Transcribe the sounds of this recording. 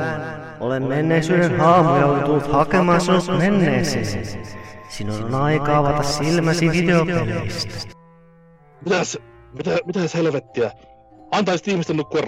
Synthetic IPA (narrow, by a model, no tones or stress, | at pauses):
olemmenːeːsyːɾenhɑːmujɑolent̪ulːut̪hɑkemɑːsinːut̪menːeːsiːn | sinolenɑikɑːʋɑt̪ɑssilmæsiʋid̪eopimest̪æ̥ | mit̪æs | mit̪æmit̪æshelʋet̪ːiæ | ɑnt̪ɑːsit̪ihmist̪enukːuɑr